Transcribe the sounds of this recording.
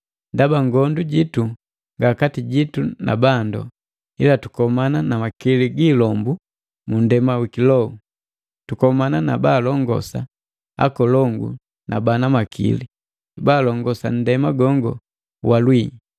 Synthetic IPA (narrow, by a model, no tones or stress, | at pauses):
ndabaŋɡɔnduɟitu | ŋɡakatiɟituna̰bandɔ̰ | ilatu̥kɔmananamakiliɡiːlɔmbu | mundɛmawikilɔu | tukɔmananabaːlɔŋɡɔ̰sa | a̰kɔlɔŋɡṵ | na̰banamakʰḭli | baːlɔŋɡɔsa̰n̩dɛmaɡɔŋɡɔ̰ | walwi